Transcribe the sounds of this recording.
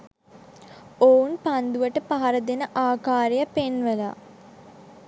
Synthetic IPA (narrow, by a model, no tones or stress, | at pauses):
ounpand̪uʋəʈəpaɦaɾəd̪enəʔaːkaːɾejəpenʋəla̰